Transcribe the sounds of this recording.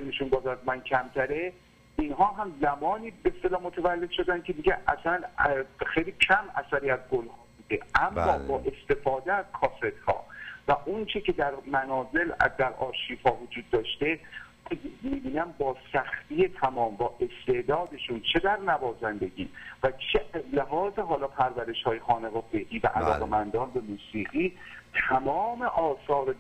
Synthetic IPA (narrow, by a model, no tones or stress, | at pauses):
emeʃunbɒːzæzmæncʰæmt̪ʰæɾe̞ | inɦɒːɦæmzæmɒːniːbest̪e̞lɒːmot̪ʰævælːe̞d̪̥ʃo̞d̪ænd̪kʲʰed̪iɟæʔæ̰sænxejliːcʰæmæ̰sæɾiːæzɡolhɒːbuːd̪eæmːɒːbɒːʔe̞st̪e̞fɒːd̪eæz̥kʰɒːset̪hɒ̰ːvæʔont͡ʃʰecʰe̞d̪æɾmænɒːze̞ld̪æɾɒːɾʃiːfhɒːvod͡ʒuːd̪̚ːɒːʃt̪e̞ | miːbiːnæmbɒːsæxt̪ije̞t̪ʰæmɒːmbɒːʔe̞st̪e̞ʔd̪ɒːd̪e̞ʃunt͡ʃʰe̞d̪æɾnævɒːzænd̪e̞ɟḭːvæt͡ʃʰeʔæzleɦɒːze̞ɦɒːlɒːpʰæɾvæɾe̞ʃhɒːjexɒːneɣɒfeʔiːvæ̰ʔælɒ̰ːʁɣemænd̪ɒːnbemuːsiːɣiːt̪ʰæmɒːmeʔɒːsɒːɾe